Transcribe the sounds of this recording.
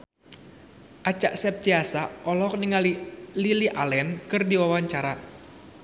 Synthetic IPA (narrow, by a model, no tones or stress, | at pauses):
ʔat͡ʃaʔsɛp̚t̪iasaɔlɔk̚niŋalililiʔalɛnkɨrdiwawaɲt͡ʃaɾa